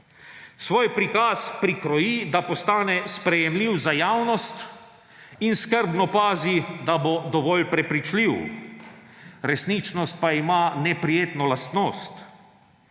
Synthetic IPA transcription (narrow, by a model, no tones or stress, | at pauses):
sʋoːjpɾikaːspɾikɾɔjid̪apɔst̪aːnɛspɾɛjɛmliːwzajaːwnɔst̪ | inskəɾbnɔpaːzid̪abod̪ɔʋɔlpɾɛpɾit͡ʃliw | ɾɛsnit͡ʃnɔst̪̚paimanɛpɾijeːt̪nɔlast̪noːst̪